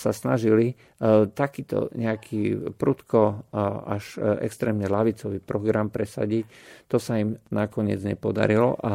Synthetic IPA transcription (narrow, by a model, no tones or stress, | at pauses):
sasnaʒili | t̪akiːt̪ɔ̰ɲɛakʰiːpɾut̪kɔaʃɛ̰kst̪ɾɛːmɲɛlaʋit͡sɔʋiːpɾɔɡɾampɾɛsa̰ɟict̪ɔsaimnakɔɲɪɛ̰d͡zɲɛpɔd̪a̰ɾilɔ̰ʔa